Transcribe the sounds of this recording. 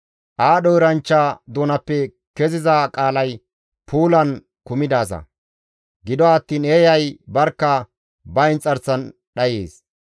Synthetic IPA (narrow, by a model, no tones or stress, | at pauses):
ʔaːɗɔɪɾɐnt͡ʃːad̪oːnɐpːɛ | kɛzɪzɐkʼaːlɐj | pʰuːlɐn | kʊmɪd̪aːs̬ɐ̰ | ɡɪd̪ɔːt̪ːiːneːjɐjbɐɾkːɐ | bɐɪnt͡sʼːɐɾt͡sːɐn | ɗɐjeːs